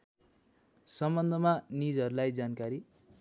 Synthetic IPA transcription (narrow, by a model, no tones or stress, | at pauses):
sʌmbʌnd̪ʱʌmanid͡zʌɾulajd͡zankaɾi